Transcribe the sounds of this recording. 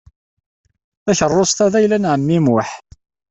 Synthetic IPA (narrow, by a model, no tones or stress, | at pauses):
æçərˤːosˤt̪æðæjlænʕəmːimwʊħ